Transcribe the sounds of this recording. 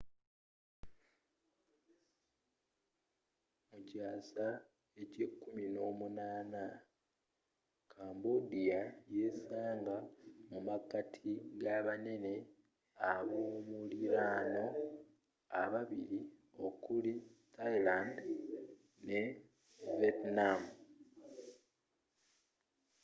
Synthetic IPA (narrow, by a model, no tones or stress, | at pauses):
mucaːsa | e̞cekːumino̞ːmunaːna | kʰaːmbodijaje̞saːŋɡamumakatʰiɡaβane̞ne̞ | aβomuliɾaːno̞ | aβaβiɾio̞kulitajland | ne̞ | vetnam